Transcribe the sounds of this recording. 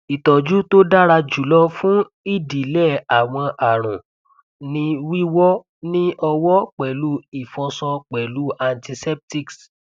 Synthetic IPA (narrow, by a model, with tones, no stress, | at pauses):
i˨tɔ˨d͡ʒu˦to˦da˦ɾa˧d͡ʒu˨˦lɔ˦fũ˦ | i˦˨di˨lɛ˦˨a˨w̃ɔ̃˧ʔa˨ɾ̃ũ˨ | nĩ˦wi˦wɔ˦ | nĩ˦ʔɔ˧wɔ˦k͡pɛ˨lu˦i˦˨fɔ̃˧sɔ˧k͡pɛ˨lu˦ʔa˧nti˧sɛ˦p̚ti˦ks